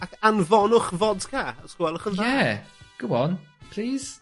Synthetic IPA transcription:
akanvɔnʊχvɔdkʰaəskwɛlˠəχənjaɛɡ̥ʊwɔnpʰl̥iːz̥

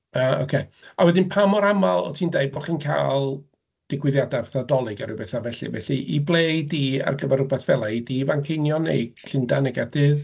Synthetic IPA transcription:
ao̰kʰeawɛdɪnpʰamɔɾamalˠɔ̰tʰiːndeɨbɔχiːnkʰa̰ːlˠ | d̥ɪɡwɪðjadavθadɔlˠɨɡaɾɨwbɛθavɛɬɨ̰vɛɬiʔiblˠejdia̰rɡəvɛɾʊbɛθv̥ɛlˠaidivaŋkʰɪnjɔnḛjɡ̥ɬɪndanɛɡardɨːð

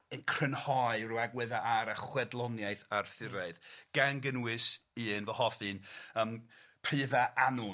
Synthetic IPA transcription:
ənkʰrənhɔɨruaɡwɛðaʔaɾaχwɛdlˠɔnjajθarθɪɾaɨðɡ̥anɡənwɨsiɨnvɔhɔfɨnəmpʰr̥ɨːðaʔanʊ

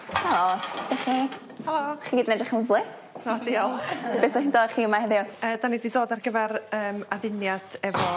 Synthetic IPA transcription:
halˠoːdɛχi | halˠoːχiɡiːdnɛdrɪχməvlˠɪ | nodiɔlˠχb̥eːsaχindoːdχiəmahɛðɪɔəːdanididoːdarɡəvɛɾəːmaðɪnjad̥ɛvɔ

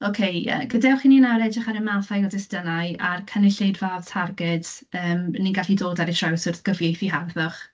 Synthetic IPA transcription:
okʰejə̰ːɡədawχininaɾɛd͡ʒaχaɾəmaθajɔdɪsd̥ənaɨarkʰənɪɬejdvad̥tʰarɡɛd̥əːmniɡaɬidoːdaɾitʰrawsʊrθɡ̥əvjejθiɦarðɔχ

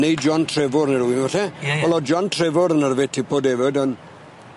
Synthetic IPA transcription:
nejd͡ʒɔntʰrɛvʊɾənəɾuwimvaɬɛɔlˠɔd͡ʒɔntʰrɛvʊɾənərvɪtʰibʰoːdɛvədən

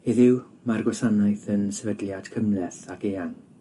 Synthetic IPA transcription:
ɪðɪw | marɡwɛsanajθənsɛvədljad̥kʰəmlɛθakeːaŋ

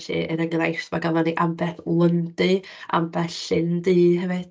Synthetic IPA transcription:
ɬḭəɾəŋrajftmaɡavɔdiʔambɛθlˠəndɨ | a̰mbɛθɬɬɪndɨːɦɛvɨd̥

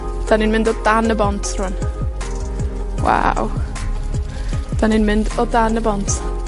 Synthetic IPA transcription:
d̥aninmɪ̃ndɔdanəbɔntʰrʊn | wa̰w | d̥aninmɪndɔdanəbɔntʰ

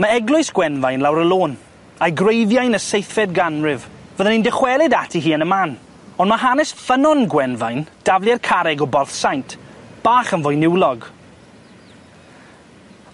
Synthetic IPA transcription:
maɛɡlʊɨsɡ̥wɛnvajnlawɾəlˠoːn | ajɡrejðjajnəsejθɛdɡanrɪvvəðənindɪχwɛlˠɪdatʰiɦiːənəmaːn | ɔndməɦanɛsfənɔnɡwɛnvajnd̥avlˠjarkʰaɾɛɡɔbɔrθsajntʰb̥aːχənvʊjnɪwlˠɔɡ

